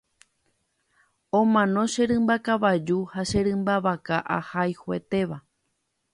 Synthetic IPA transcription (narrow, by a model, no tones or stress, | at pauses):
õmãnõʃe̞ɾɨ̃mbakaʋad͡ʒuhaʃe̞ɾɨ̃mbaʋakaʔa̰hajhoe̞̰t̪e̞ʋa